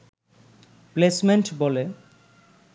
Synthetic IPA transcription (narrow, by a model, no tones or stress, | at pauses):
plesmeɳʈbole